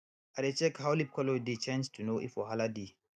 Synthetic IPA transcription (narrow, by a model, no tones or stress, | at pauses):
adet͡ʃɛkhawlip̚kʰɔlodet͡ʃɛ̃nstʰunoʔḭfɔɦaladi